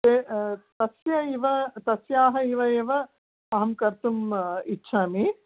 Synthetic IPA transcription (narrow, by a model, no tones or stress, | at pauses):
t̪eːt̪ɐsjɐiʋɐt̪ɐsjaːɦɐiʋɐeʋɐ | ɐɦɐmkɐɾt̪umitːʃʰaːmi